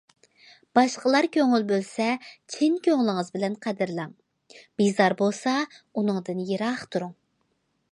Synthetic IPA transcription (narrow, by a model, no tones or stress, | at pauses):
b̥ɑʃqəlˠɑɾkʲøŋɪlbølsɛt͡ʃʰinkʲøŋlˠɪŋəzbɪlɛnqʰæd̪ɪɾlˠɑŋ | b̥izɑɾbolˠsɑunɨŋd̪ɨnjeɾɑχt̪ʰuɾuŋ